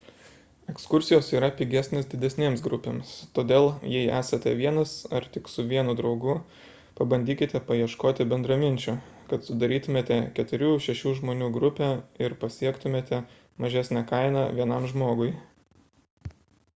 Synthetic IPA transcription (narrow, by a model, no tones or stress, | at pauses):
ɛkskʊɾʲsʲɪjoːsiːɾɐpʲiɡʲæsʲnʲeːsd̪ʲɪd̪ʲɛsʲnʲeːmsɡɾʊpʲḛːmst̪oːd̪ʲeːlˠjɛɪæ̰ːsɐt̪ʲɛ̰ʋʲiɛnɐsɐɾt̪ʲɪksʊʋʲiɛnʊd̪ɾɒʊɡʊ | pɐbɐnʲd̪ʲiːkʲɪt̪ʲɛpɐjiɛʃkoːt̪ʲɪbʲɛnd̪ɾɐmʲɪnʲt͡ʃʲʊ | kɐt̪sʊd̪ɐɾʲiːt̪ʊmʲeːt̪ʲɛkʲɛt̪ʊɾʲuːʃʲɛʃʲuːʒmoːnʲuːɡɾʊpʲæːɪɾpɐsʲiɛkt̪ʊmʲeːt̪ʲɛ | mɐʒʲæˑsʲnʲækɐɪnɑʋʲiɛnɐmʒmoːɡʊɪ